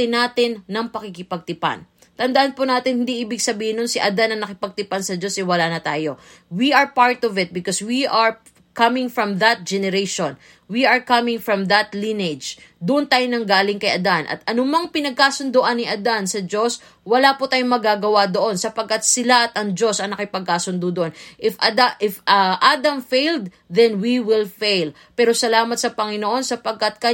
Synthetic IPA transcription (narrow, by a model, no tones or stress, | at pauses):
ɪnaːt̪ɪnːɐŋpɐkɪkɪpɐɡ̚t̪ɪpa̰n | t̪ɐnd̪ɐʔanpʊnaːt̪ɪnhɪnd̪iʔiːbɪɡsɐbiːhɪnːonsɪʔɐd̪anɐŋnɐkɪpɐɡ̚t̪ɪpansɐd͡ʒo̞sʔɛwɐlaːnɐt̪aːjo̞ | wiɐɹpaɹt̪ɔvɪt̪̚bɪkoswiʔɐɹ | kɐmɪŋfɹɐmðɐt̪̚d͡ʒɛnɛɾejʃon | wiʔɐɹkɐmɪŋfɹɐmðɐt̪linɛd͡ʒd̪ʊʔʊnt̪aːjonɐŋɡaːlɪŋkɐjʔɐd̪anʔɐ̰t̪̚ʔɐnʊmɐŋpɪnɐɡ̚kaːsʊnd̪oʔɐnːɪʔɐd̪ansɐd͡ʒo̞s | wɐlaːpʊt̪aːjoŋmɐɡaɡɐwad̪o̞ʔo̞nsɐpɐɡ̚kːɐt̪̚sɪlaʔɐt̪ɐŋd͡ʒo̞sɐŋnɐkɪpɐɡ̚kaːsʊnd̪ud̪oʔonʔɪfʔɐd̪aʔɪfɐʔad̪ɐmfejld̪̚ | ðɛnwiwɪlfejl | pɛːɾosɐlaːmɐt̪̚sɐpɐŋɪnoʔo̞nsɐpɐɡ̚kɐt̪̚kɐ